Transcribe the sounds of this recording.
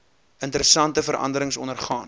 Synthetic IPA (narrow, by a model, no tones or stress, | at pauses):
əntəɾəsɐntəfəɾɐ̰ndəɾəŋsɔnərχɑːn